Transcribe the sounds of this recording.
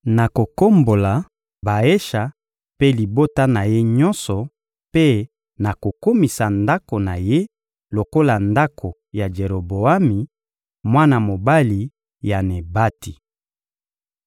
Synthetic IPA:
na˨ko˨ko˦mbo˨la˨ | ba˨e˦ʃa˨ | pe˦li˨bo˦ta˦na˨je˦ɲɔ˦nsɔ˨ | pe˦ | na˨ko˨ko˦mi˨sa˨nda˦ko˨na˨je˦ | lo˨ko˦la˨nda˦kʰo˨ | ja˨d͡ʒe˨ɾo˨bo˨a˦mi˨ | mwa˦na˨mo˨ba˦li˨ | ja˨ne˨ba˦ti˨

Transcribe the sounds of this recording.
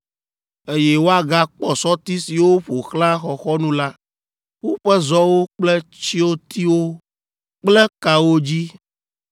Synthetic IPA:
e˦jɛ˦wo˦a˨ɡa˦k͡pɔ˨sɔ˦t̪i˦si˨wo˦ɸo˨xlã˦xɔ˨xɔ˦nũ˦la˦ | ɸu˦ɸɛ˦zɔ˦wo˦k͡plɛ˦t͡ɕi˦wo˦t̪i˦wo˦ | k͡plɛ˦ka˨wo˦d͡ʑi˦

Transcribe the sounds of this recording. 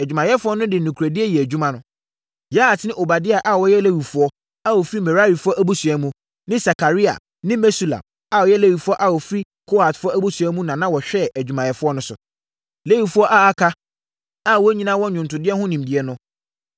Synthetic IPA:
æ˨d͡ʑᶣu˨mã˨jɛ˦fʊ˦ɔ˦nʊ̃˦dɪ˨nʊ̃˨kʰɾæ˨dɪ˦ɛ˦jɛ˨æ˨d͡ʑᶣu˦mã˦nʊ̃˦ | ja˦˨tnɪ̃˦ʔo˨ba˨dɪ˦a˨ʔa˨wɔ˦jɛ˦le˦wi˨fʊ˦ɔ˦ | a˦˨wɔ˨fɾi˦mɛ˨ɾa˦ɾi˨fʊ˦ɔ˦ʔæ˦bu˦sʊ˨ɛ˦mũ˦ | nɪ̃˦sa˨kʰa˨ɾi˦a̰˨ | nɪ̃˦mɛ˦su˦˨lã̰˨m | a˨wɔ˨jɛ˦læ˦wi˨fʊ˦ɔ˦ʔa˨wɔ˨fɾi˦ | kʰo˦a˨tfʊ˦ɔ˦æ˦bu˦su˨æ˦mũ˦nã˨nã˦wɔ˨ɕᶣɛ˦˨ʔd͡ʑᶣu˨mã˨jɛ˨fʊ˦ɔ˦nʊ̃˦sʊ̰˨ | le˦wi˨fu˦ɔ˦ʔa˦a˦kʰa˦ | a˦˨wɔ˦ɲĩ˦nã˦wɔ̃˦ɲᶣʊ̃˨n˨tʊ˨dɪ˦ɛ˦ɦʊ̃˦nĩ˨m˨dɪ˨ɛ˦nʊ̃˦

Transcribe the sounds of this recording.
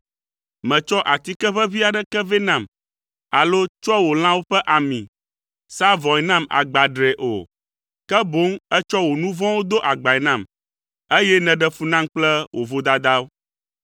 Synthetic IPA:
mɛ̃˨t͡ʃɔ˦ʔa˨t̪i˦kɛ˦ɸɛ˦vi˦a˨ɖɛ˦kɛ˦vɛ˦nã˨m | a˨lo˦t͡ʃɔ˦wo˨l̃ã˦wo˦ɸɛ˦ʔa˨mĩ˨ | sa˦vɔ̃˨ɛ˨nã˦ma̰˨ɡ͡ba˨ɖɾɛ˨ʔo̰˨ | kɛ˦bo˦ŋɛ˦t͡ʃɔ˦wo˨nũ˦vɔ̃˦wo˦d̪o˦ʔa˨ɡ͡ba˨ɛ˨nã˦˨m | e˦jɛ˦nɛ̃˨ɖɛ˦fu˦nã˦ŋk͡plɛ˦wʔo˨vo˦d̪a˦d̪a˦wo˦

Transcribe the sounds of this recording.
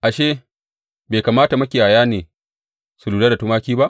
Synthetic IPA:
ʔa˨ʃeː˦ | beː˨kaː˨maː˦ta˨mɐ˦kʲeː˨ʔa˨jaː˦neː˨ | su˨luː˨daː˦da˨tu˦maː˦kʲiː˦ba˦ʔ

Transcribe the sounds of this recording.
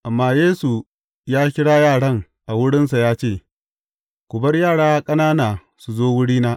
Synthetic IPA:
ʔa˨mːaː˦˨jeː˦su˨ | jaː˦kʲɪ˦ɽaː˦jaː˦˨ɽɐ˦ŋ | ʔa˨wʊ˦ɽɪ˦nsa˨jaː˦t͡ʃeː˦˨ | kʷʊ˨bɐ˦rjaː˦˨ɽaː˦kʼɐ˦naː˦naː˨ | su˨zoː˦wʊ˦ɽiː˦naː˦ʔ

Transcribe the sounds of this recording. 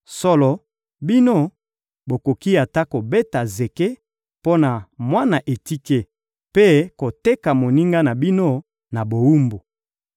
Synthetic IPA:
sɔ˦lɔ˨ | bi˦no˦ | bo˨ko˨ki˦a˨ta˦ko˨be˦ta˨ze˨ke˦ | po˦na˨mwa˦na˨ʔe˨ti˦ke˦ | pe˦ko˨te˦ka˨mo˨ni˦ŋɡa˦na˨bi˦no˦ | na˨bo˨wu˦mbo˨

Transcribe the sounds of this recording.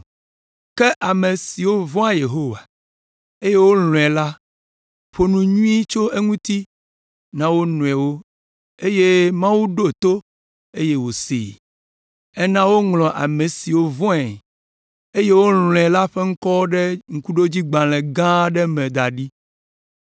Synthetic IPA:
kɛ˦ʔa˨mẽ˨si˨wo˦vɔ̃˦a˦je˨ɦo˦wa˨ | e˦je˦wo˦lɔ̃˨ɛ˨la˦ | ɸo˨nũ˨ɲũ˦i˦t͡ʃo˦e˦ŋũ˦t̪i˦ | nã˦wo˦nũ˨ɛ˨wo˦ | e˦je˦mã˦wu˦ɖo˦˨t̪o˦ | e˦je˦wo˨sḭ˨ | ɛ˦nã˦wo˦ŋlɔ̃˨ʔa̰˨mẽ˨si˨wo˦vɔ̃˦ɛ˨ | e˦je˦wo˦l̃ɔ̃˨ɛ˨la˦ɸe˦ŋ̩˦kɔ˦ɖɛ˦ŋ̩˦˨ku˦ɖo˦d͡ʑi˦ɡ͡bã˨lɛ̃˨ɡã˦ɖɛ˦mɛ̃˨d̪a˨ɖi˦

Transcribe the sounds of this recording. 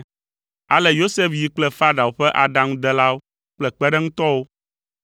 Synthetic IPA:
a˨lɛ˨jo˦se˦fji˨k͡plɛ˦fa˦ɖa˨wo˨ɸɛ˦ʔa˨ɖã˦ŋũ˦d̪ɛ˦la˦wo˦ | k͡plɛ˨k͡pɛ˦ɖɛ˦ŋũ˦t̪ɔ˦wo˦

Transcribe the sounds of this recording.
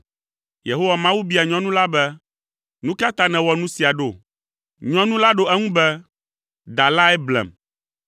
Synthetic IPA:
je˨ɦo˦wa˨mã˦wu˦bi˦a˨ɲɔ̃˦nũ˦la˦bɛ˦ | nũ˦ka˦t̪a˦nɛ̃˨wɔ˨nũ˦si˨a˨ɖo˦˨ | ɲɔ̃˦nũ˦la˦ɖo˦ɛ˦ŋũ˦bɛ˦ | d̪a˨la˦ɛ˦blɛ̰˨m

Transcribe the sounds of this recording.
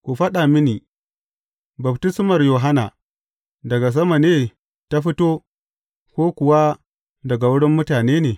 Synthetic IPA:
kʷu˨ɸɐ˦ɗa˨mɪ˦niː˨ | bɐ˨btɪ˦smɐ˨rjoː˨ɦa˦na˨ | dɐ˨ɡa˨s̬ɐ˦ma˨neː˦ | ta˦ɸɪ˦toː˦ | kʷoː˦kʷʊ˨wa˦ | dɐ˨ɡa˨wʊ˦ɽɪ˦mːʊ˦taː˨neː˦neː˨

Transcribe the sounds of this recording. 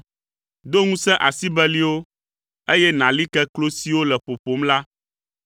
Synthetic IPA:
d̪o˦ŋũ˦sɛ̃˦ʔa˨si˦bɛ˦li˦wo˦ | e˦jɛ˦nã˨li˦kɛ˦klo˦si˦wo˦lɛ˨ɸo˨ɸo˨mla˦

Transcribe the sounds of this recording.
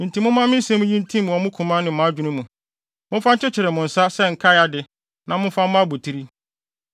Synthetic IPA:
ĩ˨n˨tʰĩ˨˦mʊ̃˦mã˦mɪ̃˦n̩˦sɛ̃˦mũ˦ɲĩ˦ntʰĩ˦mũ˨ɔ˨mʊ̃˦kʰũ˨mã˦nɪ̃˨mã˨a˦d͡ʑᶣu˨nũ˦mũ˨ | mʊ̃˦fã˦ɲ̩˦t͡ɕʰɪ˦t͡ɕʰɪ˨ɾɪ˨mʊ̃˨n̩˨sa˦sɛ˦ŋ̩˨kʰa˦ja˨dɪ˨ | nã˨mʊ̃˦n˦fã˦m˦mã˦a˦bu˨tʰi˦ɾi˦

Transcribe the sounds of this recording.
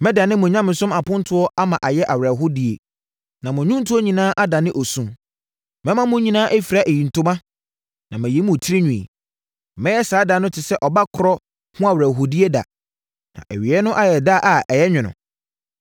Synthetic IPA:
mɛ̃˦da˨nɪ̃˦mʊ̃˨ɲã˦mɪ̃˨sʊ̃˦ma˨pʊ̃˦n˦tʰʊ˦ɔ˦ʔa˦mã˨ʔa˨jɛ˦ʔa˨wɾa˨ɦʊ˦di˨e˨ | nã˨mʊ̃˨ɲũ˦n̩˦tʰu˦ɔ˦ɲĩ˨nãː˦ʔa˦da˨nɪ̃˦ʔɔ˨sũ˦m | mɛ̃˦mã˦mʊ̃˦ɲĩ˨nãː˦ʔæ˦fi˨ɾa˦˨ʔe˨jĩ˨n̩˨tʰʊ˦mã˦ | nã˨mæ̃˨je˨˦mʊ̃˨tʰi˦ɾi˦ɲũ˨ḛ˨ | mɛ̃˦jɛ˦saː˨˦da˨˦nʊ̃˦tʰɪ˨sɛ˦ʔɔ˨ba˦kʰʊ˨ɾɔ˦ | hʊ̃˦a˨wɾæː˨ɦo˨di˦e˦da̰˨ | nã̰˨ʔæ̰˨ɥi˨ɛ˦nʊ̃˦ʔa˦jɛ˨da˦˨ʔa˨ʔɛ˨jɛ˦ɲᶣɪ̃˨nʊ̰̃˨

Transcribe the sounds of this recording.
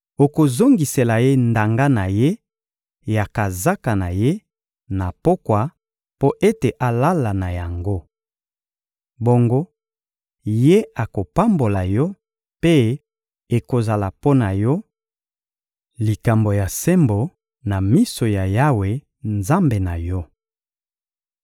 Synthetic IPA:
o˨ko˨zo˦ŋɡi˨se˨la˨je˦nda˨ŋɡa˦na˨je˦ | ja˨ka˨za˦ka˨na˨je˦ | na˨po˦kwa˨ | po˦ʔe˦te˨ʔa˨la˦la˨na˨ja˨ŋɡo˦ | bo˦ŋɡo˦ | je˦a˨ko˨pa˦mbo˨la˨jɔ˦ | pe˦ | e˨ko˨za˨la˨po˦na˨jɔ˦ | li˨ka˨mbo˨ja˨sɛ˦mbo˨ | na˨mi˦so˨ja˨ja˦we˨ | nza˦mbe˨na˨jɔ˦

